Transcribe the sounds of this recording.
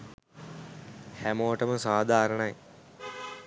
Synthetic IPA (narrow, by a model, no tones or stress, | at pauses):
hæmoːəʈəməsaːd̪ʱaːɾəɳɐj